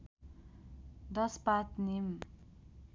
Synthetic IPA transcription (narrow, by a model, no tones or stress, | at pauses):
d̪ʌspat̪nim